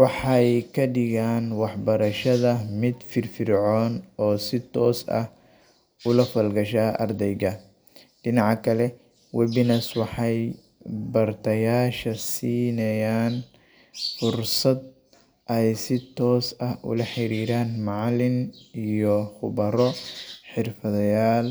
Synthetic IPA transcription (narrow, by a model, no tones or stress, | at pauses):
wɑħɑjkʰɐɖɪɣaːnwɑħbɐɾɐʃɐðɐmɪd̪fɪrfɪrʕɔːnɔːsɪt̪ʰɔːsɐ̰h | ʊlɐfɐlɡɐʃaːʔɐ̰rd̪ɛjɣɐ | ɖɪnɑʕɑkʰɐlɛ | wɛbɪnɐswɑħɑj | bɐrt̪ʰɐjaːʃɐsiːnɐjaːn | fʊrsɐd̪̚ | ʔɐjsɪt̪ʰɔːsɐhʔʊ̰lɐħɪɾiːɾaːnmɑʕlɪnijɔχʊβɐɾɔħɪrfɐðɐjaːl